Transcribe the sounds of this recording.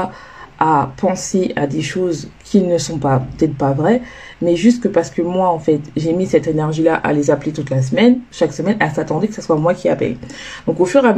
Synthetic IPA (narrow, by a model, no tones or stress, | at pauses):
apɑ̃seʔad̪eʃozkʲʰinəsɔ̃papət̪ɛt̪χpavʁɛ | mɛʒyst̪̚kəpaʁsə̥kəmwaɑ̃fɛt̪ʒemisɛt̪enɛʁʒilaʔa̰lezaplet̪ut̪las̬mɛnʃaksəmɛnɛlsat̪ɑ̃d̪ekə̥saswamwakʲiapɛ̰ld̪ɔ̃kofyʁam